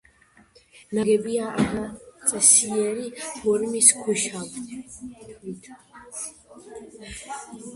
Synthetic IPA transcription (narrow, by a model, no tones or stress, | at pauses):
naɡɛbiaanat͡sʼɛsiɛɾivɔɾmiskʰɛʃalʰ | wit̪ʰ